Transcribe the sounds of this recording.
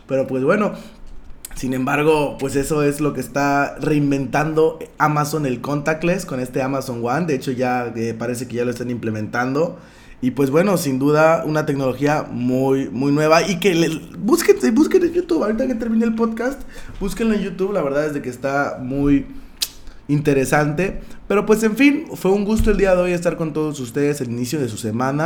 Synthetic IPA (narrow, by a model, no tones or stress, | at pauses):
pe̞ɾo̞pwe̞zβwe̞no̞ | sinẽ̞mbaɾɣ̞o̞pwe̞se̞so̞e̞zlo̞ke̞ːst̪are̞imbe̞nt̪and̪o̞amaso̞ne̞lko̞nt̪ak̚t̪lesko̞ne̞st̪e̞amaso̞ŋwand̪e̞et͡ʃo̞ʝaepaɾe̞s̬e̞keʝalost̪enimple̞mẽ̞nt̪and̪o̞ | ipwe̞zbwe̞no̞sind̪uðaunat̪e̞kno̞lo̞xiamujmujnwe̞βaike̞lebuskensebuskenejut̪uβawɾit̪aeket̪eɾmĩne̞ːlpo̞ðkast̪buskenleʝut̪uβlaβe̞ɾðaðe̞zðekeːst̪amuj | int̪e̞ɾe̞sant̪e̞pe̞ɾo̞pwese̞ɱfinfwe̞uŋɡust̪o̞e̞ld̪iaðe̞o̞je̞s̬t̪aɾko̞nt̪o̞ð̞osust̪e̞ðeselinisjo̞ð̞e̞s̬use̞mãna